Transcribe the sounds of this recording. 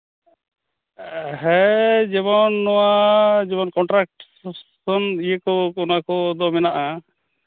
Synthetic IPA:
ɦɛd͡ʒɛβɔnːɔwad͡ʒɛbɔnkɔɳʈɾak̚ʈ | sɔnijəkɔɔnakɔd̪ɔmɛnaʔa

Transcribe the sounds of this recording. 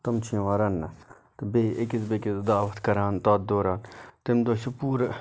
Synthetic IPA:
t̪ɐmt͡ʃʰĩːʋaːɾɐnːɐ | t̪beːʔekɪzbekizd̪aːʋɐt̪kɐɾaːnt̪aːd̪̚d̪oːɾaːnt̪ɪmd̪oʃupuːɾ

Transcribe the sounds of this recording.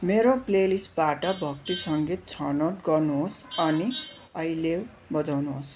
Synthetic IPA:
meɾoplelisʈ̚baʈʌbʱʌk̚t̪isʌŋɡit̪̚t͡sʰʌnoʈɡʌrnuɦosʌni | ʌjlew | bʌd͡zawnuɦos

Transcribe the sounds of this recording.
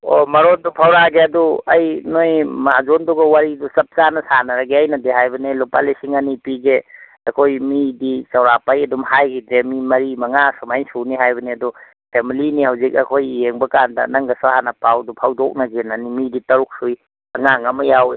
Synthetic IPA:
omɐɾondupʰawɾaɡeɐduɐjnojmazonduɡɐwaɾidusɐp̚t͡ʃanɐsanɐɾɐɡeɐjnɐdeɦajbɐnelopalisiŋɐnipiɡe | ɐkʰojmidit͡ʃɐwɾapajɐdumhajɡidɾemimɐɾimɐŋasumajnsuniɦajbɐniɐdu | pʰemilinihɐwzik̚ɐ̰kʰojijeŋbɐkandɐ̰nɐŋɡɐsuhanɐpawdupʰawdɔk̚nɐɡenɐnimiditɐɾuk̚suj | ɐŋaŋɐmɐjaw

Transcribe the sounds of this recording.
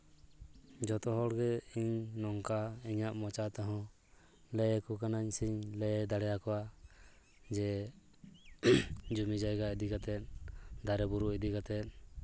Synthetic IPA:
d͡ʒɔt̪ɔɦɔɽɡɛiɲnɔŋkaiɲaʔmɔt͡ʃat̪ɔɦɔ̃ | lɛjɛkukanaɲsiɲlɛɛd̪aɽɛjakɔwa | d͡ʒɛ | d͡ʒumid͡ʒajɡaid̪iɡat̪ɛt̪̚d̪aɾɛbuɾuʔid̪iɡat̪ɛt̪̚

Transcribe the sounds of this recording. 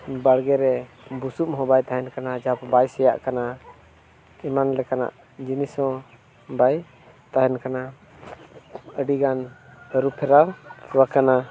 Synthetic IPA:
baɽɡɛɾɛ | busumɦɔ̃bajt̪aɦɛnkanad͡ʒaapbajsɛja̰ʔkana | imanlɛkana̰ʔ | d͡ʒinisɔ̃ | baj | t̪aɦɛnkana | əɖiɡanɾupʰɛɾawwakana

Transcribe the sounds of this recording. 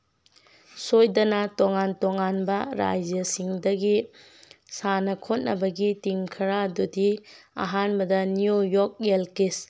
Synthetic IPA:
sojdɐnɐtoŋantoŋanbɐɾa̰jd͡ʒjɐsiŋdɐɡi | sanɐkʰot̚nɐbɐɡitiŋkʰɐɾadudia̰ɦanbɐdɐniujok̚elkis

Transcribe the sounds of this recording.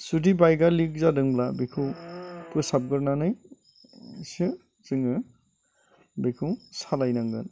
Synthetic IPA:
sudibajɡalik̚zadɯŋblabikʰuwpɯsap̚ɡɯɾnanɯj | sɯ | z̥ɯŋɯ | bekʰuwsalajnaŋɡɯ̰n

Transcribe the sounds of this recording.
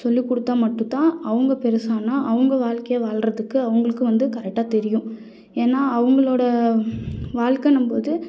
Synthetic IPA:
sɔlːikːɔɽɯt̪ːaːmɐʈːɯ̃t̪ãːɐʋɐŋɡɐpɛɾɐsaːnaːʔɐʋɐŋɡɐʋaːɭkɐjɐʋaːɭrɐðɯkːɯɐʋɐŋɡɐɭɯkːɯʋɐnd̪ɯkɐɾɛk̚ʈːaːt̪ɛɾɪjʊ̃ | eːnːaːɐʋɐŋɡɐɭoːɽɐ | ʋaːɭkɐnɐmboːðɯ

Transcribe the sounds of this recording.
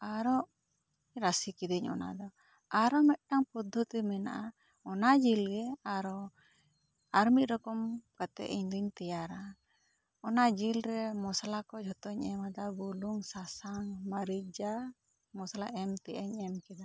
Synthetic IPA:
aɾɔʔ | ɾasikid̪iɲɔ̰na̰d̪ɔ | aɾɔmɛt̪̚ˀʈaŋpud̪ʱːut̪imɛna̰ʔa | ɔnad͡ʒilɡɛaɾɔ | aɾmit̪̚ɾɔkɔmkat̪ɛ̰ʔḭɲd̪iɲt̪ɛjaɾa | ɔnad͡ʒilɾɛmɔsalakɔt͡ʃhɔt̪ɔɲɛmad̪abuluŋsasaŋmaɾid͡ʒa | mɔsalaʔɛmt̪ɛʔɛɲɛmkɛd̪a

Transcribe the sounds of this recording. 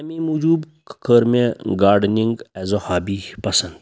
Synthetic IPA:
ɐmĩːmud͡ʒuːb | kkəɾmẽɡaːɾɖniŋɡɛzohaːbipɐsɐ̃nd̪

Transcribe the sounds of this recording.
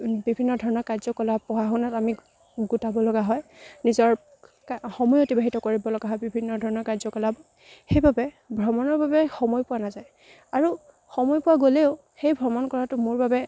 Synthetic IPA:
bibʱinːɔdʱɔɹɔnɔɹkazɔkɔlapɔwaxʊnatami | ɡutabɔlɔɡaɦɔjnizɔɹ | kaxɔmɔjotibaɦitɔkoɹibɔlɔɡaɦɔjbibʱinːɔdʱɔɹɔnɔɹkaɹzɔkɔlabɔ | xejbabɛ | bʱɹɔmɔnɔɹbabɛxɔmɔjpʊwanazaj | aɹu | xɔmɔjpʊwaɡoleʊ | xejbʱɹɔmɔnkɔɹatʊmʊɹbabɛ

